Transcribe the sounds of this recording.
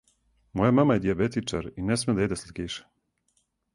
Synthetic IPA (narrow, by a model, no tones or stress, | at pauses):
mojamamajed̪iabet̪it͡ʃaɾinesmed̪aed̪eslekiːʃe̥